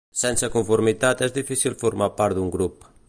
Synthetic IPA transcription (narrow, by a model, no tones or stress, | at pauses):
sɛnsəkuɱfuɾmit̪at̪ɛzd̪ifisilfuɾmapaɾt̪d̪uŋɡɾup